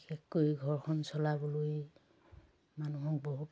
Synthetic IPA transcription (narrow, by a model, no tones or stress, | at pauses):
ekːojɡʱɔɹkʰɔnsɔlaboloj | manuɦɔk̚bɔɦut